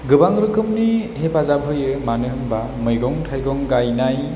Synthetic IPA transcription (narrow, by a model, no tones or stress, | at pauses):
ɡɯbaŋɾɯkʰɯmnihepazab̚ɦɯjɯmanɯɦɯmba | mɯjɡɔŋtʰajɡɔŋɡajnaj